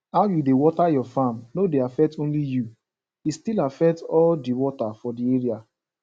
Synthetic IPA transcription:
aʊjudewɔtajɔfãmnodeafɛk̚tõnliju | istilafɛk̚tɔldiwɔtafɔdieɹia

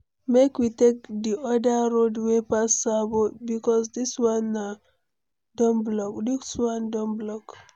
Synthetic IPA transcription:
mekwitek̚diɔdaɹodwepasabobikɔsdiswãna | dɔ̃nblɔkdiswãndɔ̃nblɔk

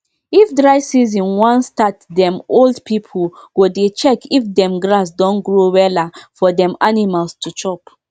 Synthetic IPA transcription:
ifdɹaɪsizĩnwãnstatdɛ̃moldpipʰolɡ̥odet͡ʃɛkʰifdɛ̃mɡɹasdɔ̃nɡɹowɛlafɔdɛ̃manimalstʰut͡ʃɔp

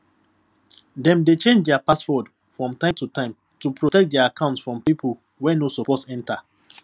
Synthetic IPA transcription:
dɛ̃mdet͡ʃẽnd͡ʒdɛapaswɔd | fɹɔ̃mtãɪmtutãɪ̃m | tupɹotɛk̚dɛaakãʊ̃ntsfɹɔ̃mpipʰol | wɛnosopɔsɛ̃nta

